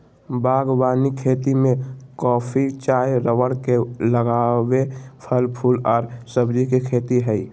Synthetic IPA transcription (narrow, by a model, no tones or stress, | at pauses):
baːɡwaːnikʰeːt̪imẽkɔːpʰit͡ʃaːjɾəwəɽkeləɡaːwepʰəlpʰulɔːɾsəbd͡ʒikekʰeːt̪iɦɛi